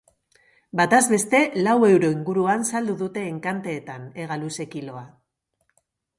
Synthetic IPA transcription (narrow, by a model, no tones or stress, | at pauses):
bat̪azβe̞st̪e̞lawe̞wɾo̞iŋɡuɾuansald̪uðut̪e̞ːŋkant̪e̞ːt̪ane̞ɣ̞aluse̞kilo̞a